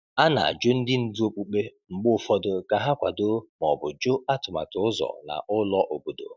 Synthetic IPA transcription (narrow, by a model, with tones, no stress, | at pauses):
a˦na̰˨a̰˨d͡ʒo˦n̩˦dɪ˦n̩˨du˦o˦k͡pu˨k͡pe˦ŋ͡m̩˨ɡ͡bʊ˦fɔ˦dʊ˨ka˨ɦa˦kʷa˨do˦mɔ˨bʊ˨d͡ʒo˦a˦tʊ˨ma̰˨tʊ˨ʊ˦zɔ̰˨na̰˨ʔʊ˦lɔ˦ʔo˨bo˨do̰˨